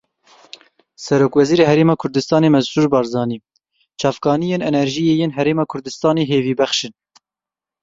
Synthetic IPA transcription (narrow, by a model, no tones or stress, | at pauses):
sɛɾoːkvɛziːɾeːɦɛɾeːmɑːkʰʊɾd̪ɨst̪ɑːneːmɛzsuːɾbɑːɾzɑːniː | t͡ʃʰɑːvkɑːnijeːnɛnɛɾʒijeːjeːnɦɛɾeːmɑːkʰʊɾd̪ɨst̪ɑːneːɦeːviːbɛxʃɨn